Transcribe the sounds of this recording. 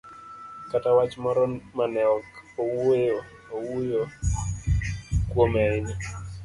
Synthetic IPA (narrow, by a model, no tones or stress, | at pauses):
katawat͡ʃmɔɾɔmanɛɔkowejo | owujo | kwomɛɪnɛ